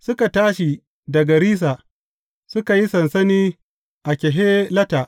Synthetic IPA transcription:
sʊ˦ka˨taː˦ʃi˨ | dɐ˨ɡɐ˨ɾiː˦s̬a˨ | sʊ˦ka˨ji˦sɐ˨nsɐ˦niː˦ | ʔa˨kʲɛ˨ɦeː˦lɐ˦ta˨ʔ

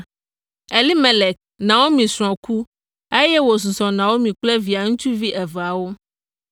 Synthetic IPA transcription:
e˨li˦mẽ˨le˨k̚nã˨wo˦mĩ˨sɾ̃ɔ̃˨ku˦ | e˦jɛ˦wo˨s̬u˨zɔ̃˨nã˨wo˦mĩ˨k͡ple˦vi˨a˨ŋũ˦t͡ʃu˦vi˦ʔɛ˨va˨wo˦

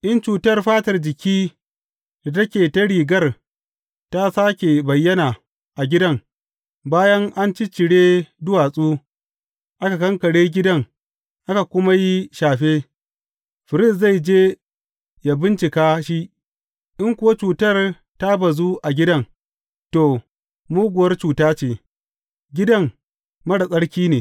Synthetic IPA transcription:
ʔɪ˦nt͡ʃuː˨tɐ˦rɸaː˦tɐ˨rd͡ʒɪ˨kʲiː˦ | d̥a˨tɐ˦kʲeː˨tɐ˦ɽiː˨ɡɐ˦r | ta˦saː˦kʲe˨bɐ˨jːɐ˦naː˨ | ʔa˨ɡʲɪ˦dɐ˦ŋ | baː˦jɐ˦ŋʔa˦nt͡ʃi˦t͡ʃɪ˨ɽeː˦dʊ˦waː˨sʼuː˦ | ʔa˦ka˨kɐ˦ŋkɐ˨ɽeː˦ɡʲɪ˦dɐ˦ŋ | ʔa˦ka˨kʷʊ˦ma˦ji˦ʃaː˨ɸeː˦ | ɸɪ˨ɾɪ˦s̬za˦˨jd͡ʒeː˦ | ja˨bɪ˦nt͡ʃɪ˨kaː˦ʃi˦ | ʔɪ˦ŋkʷʊ˦wa˦t͡ʃuː˨tɐ˦˨r | ta˦bɐ˨zuː˦ʔa˨ɡʲɪ˦dɐ˦ŋ | to˨ | muː˦ɡʷʊ˨wɐ˦rt͡ʃuː˨taː˦t͡ʃeː˨ | ɡʲɪ˦dɐ˦ŋ | mɐ˦ɽa˨sʼɐ˦ɽkʲiː˦neː˨

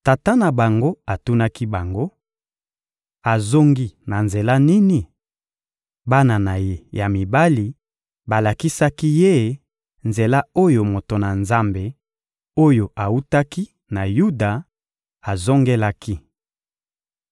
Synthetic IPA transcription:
ta˨ta˦na˨ba˨ŋɡo˦a˨tu˦na˦ki˦ba˨ŋɡo˦ | a˨zo˦ŋɡi˦na˨nze˨la˦ni˦ni˨ | ba˦na˨na˨je˦ja˨mi˨ba˦li˨ | ba˨la˨ki˦sa˦ki˦je˦ | nze˨la˦o˦jo˨mo˨to˨na˨nza˦mbe˨ | o˦jo˨ʔa˨u˦ta˦ki˦ | na˨ju˦da˨ | a˨zo˦ŋɡe˦la˦ki˦

